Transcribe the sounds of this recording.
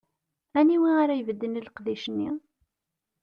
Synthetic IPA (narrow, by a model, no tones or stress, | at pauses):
æniwiaɾajvəd̪ːəniləqðiʃənːi